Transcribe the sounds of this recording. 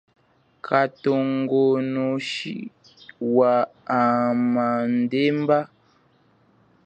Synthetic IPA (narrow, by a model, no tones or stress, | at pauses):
kʰatoŋɡonoʃḭ | waaman̩demba